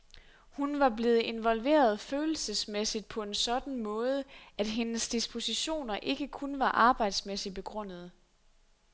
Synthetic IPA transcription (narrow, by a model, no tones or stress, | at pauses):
hunʋɑ̈ble̝ːð̞̩ˠe̝nʋɒ̽lʋe̝̰ːɐð̞̩ˠføːl̩səsmesid̥̚pʰɒ̽e̝nsɒ̽d̥n̩mɔːð̞ˠəʔæd̥ɦe̝nəsd̥isb̥o̝siɕo̝̰ːnɐʔe̝ɡ̥əkʰunʋɑ̈ʔɑ̈ːb̥ɑ̈ɪ̰d̥smesib̥e̝ɡ̥ʁɔ̽n̰ð̞̩ˠ